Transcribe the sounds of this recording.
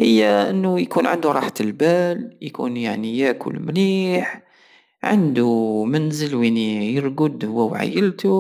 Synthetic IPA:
həjːæʔənːʊjkunʕə̰nd̪uɾˤɑ̰ħt̪əlbæljkṵnjaʕnijækʰʊ̰lmniħ | ʕa̰nd̪umænzəlwinijəɾˤɡʊd̪hʊwːæwʕa̰jːəlt̪u

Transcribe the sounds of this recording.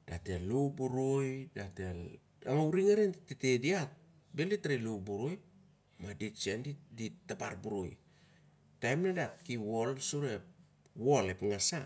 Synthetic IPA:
d̥atelubuɾojdatel | aŋawɾiŋaɾentetediat̚ | belitɾilubuɾoj | madit͡ʃiendiditaba̰ɾbuɾo̰j | tajmnadatkiwo̞lsuɾep̚ | wo̞lepŋasa

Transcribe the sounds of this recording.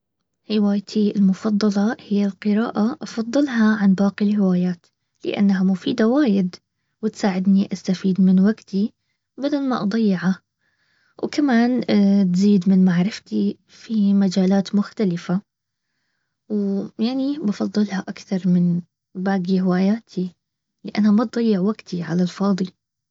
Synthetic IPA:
hɪwaːjt̪ʰiɪlmʊfɑd̪ˤːɑlɑhɪjːalqɨɾa̰ːʔaʔɑfɑðˤːɨlɦɑʕanbɑːqilhɪwaːjaːt̪ | lɪ̰ʔa̰nːaɦamʊfiːd̪awaːjɪd̪ | wɪt̪saːʕɪd̪niʔast̪afiːd̪mɪnwaɡt̪ʰi | bad̪almaʔɑd̪ˤɑjːɪʕa | wkamaːnt̪ziːd̪mɪnmaʕɾɪft̪i | fimad͡ʒaːlaːt̪mʊxt̪alɪfa | wjaʕnibɑfɑd̪ˤːɨlhaʔakθɑɾˤmɪn | baːɡihɪwaːjaːt̪ʰi | lɪʔa̰nːhamat̪̚d̪ˤɑjːɪʕwaɡt̪ʰiʕa̰lalfɑːd̪ˤi

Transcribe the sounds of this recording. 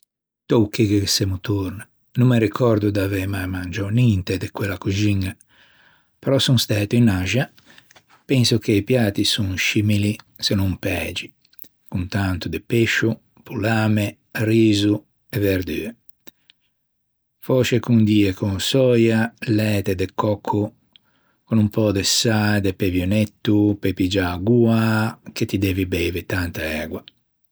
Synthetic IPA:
t̪owkːikesemut̪uɾna | numːeɾikʰɔɾd̪ud̪avɛmajmand͡ʒɔnint̪ed̪ekwelːakud͡ʒiŋːa | pɛɾɔsunst̪ɛːt̪inaʒa | pɛnsukeipjaːt̪isunʃimili | senumpɛːd͡ʒi | kunt̪ant̪ud̪epeʃːu | pulaːme | riːzu | eveɾd̪yːe | fɔːt͡ʃekund̪iːekʰunsɔjalɛːt̪ed̪ekʰːɔkʰːu | konumpɔd̪esad̪epevjonɛt̪ːupepid͡ʒaɡuːaket̪id̪ɛːvibɛvet̪ant̪aɛːɡwa

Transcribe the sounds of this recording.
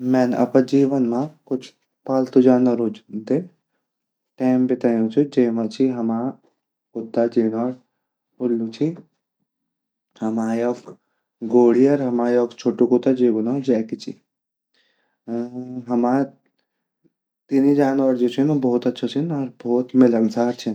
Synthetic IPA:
mɛːnɐ̰pɐd͡ʒiːʋɐnmãkʊt͡ʃʰ | paːlt̪ud͡ʒaːnʋɐɾud͡ʒd̪e | ʈeːmbɪt̪aːjũt͡ʃʰid͡ʒeːmãt͡ʃʰiɦɐmaː | kʊt̪ːad͡ʒiːnʋaːɾ | ʊlːut͡ʃʰi | hɐmaːjɔk | ɡoːɽiɐɾɦɐmaːjɔːkt͡ʃʰoːʈukut̪ːad͡ʒeːɡunod͡ʒɛːkit͡ʃʰḭ | ɦɐma | t̪inid͡ʒaːnʋaɾd͡ʒut͡ʃʰinbɔːt̪ɐtːt͡ʃʰat͡ʃʰinɐɾboːt̪mɪlɐŋsaːɾt͡ʃʰin

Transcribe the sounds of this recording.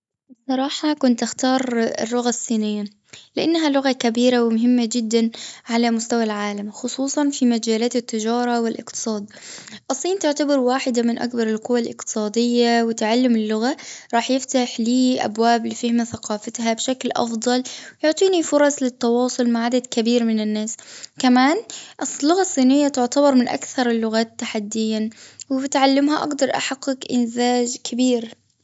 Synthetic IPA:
bɨsˤːɑɾˤɑːħɑkʊnt̪ʔɪxt̪ɑːɾˤɪ̰lːʊɣasˤːiːnɪjːa | lɪʔanːɦalʊɣakabiːɾawɪmʊɦɪmːad͡ʒɪd̪ːanʕalamʊst̪awalʕaːlamxʊsˤuːsˤɑnfimad͡ʒaːlaːt̪ɪt̪ːɪd͡ʒɑːɾˤɑwɪlʔɪ̰qt̪ɨ̥sˤɑːd̪ʔɨsˤːiːnt̪ɪʕt̪abɪɾwaːħɪd̪amɪnʔa̰k̚bɑɾˤɪlqʊwːalʔɪ̰qt̪ɨ̥sˤɑːd̪ɪjːawɪt̪aʕalːʊmɪlːʊɣaɾˤɑːħjɪft̪aħliːʔa̰bwaːblɪfɪhmaθaqɑːfat̪ɦabʃaklʔɑ̰fd̪ˤɑlwjʊʕt̪ˤiːnifʊɾˤɑslɪt̪ːɑwɑːsˤʊlmaʕad̪ad̪kabiːɾmɪnɪnːaːskamaːnʔɪslːʊɣasˤːiːnɪjːat̪ʊʕt̪abɑɾˤmɪnʔa̰kθɑɾˤɪlːʊɣaːt̪ːaħad̪ːɪjːawɪbɪt̪ʕalːɪmɦaʔɑ̰ɡd̪ɑɾˤʔa̰ħaqːɪkʔɪnzaːd͡ʒkʰɪbiːɾ

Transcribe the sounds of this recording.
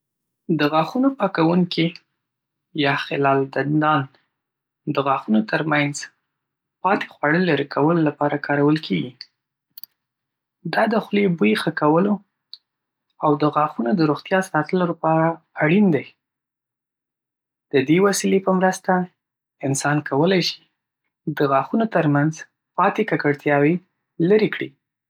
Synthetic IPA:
d̪əɣɑxunopɑkawuŋki | jɑxɪlɑld̪and̪ɑn | d̪əɣɑxunot̪əɾmanz | pɑt̪e̥xwaɽəlaɾekʰawəlolapɑɾakɑɾawəlkʰeɡi | d̪ɑd̪əxlebujxəkawəlo | awd̪əɣɑxunod̪əɾoɣt̪jɑsɑt̪əlolapɑɾaː | ɽind̪aj | d̪̥əd̪ewasilepəmɾəst̪a | ɪnsɑnkʰawəlajʃi̥ | d̪əɣɑxunot̪əɾmanz | pɑt̪ekakəɽt̪jɑwe | laɾikɽḭ

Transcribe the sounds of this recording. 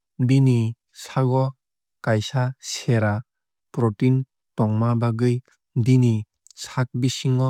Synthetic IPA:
bini | saɡɔ | kajsaseɾa | pɾɔtin | tɔŋmabaɡɯj | dini | sak̚bisiŋɔ

